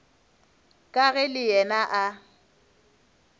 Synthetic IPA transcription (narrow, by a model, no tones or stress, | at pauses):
kʼaɣɛlɪjɛnaʔa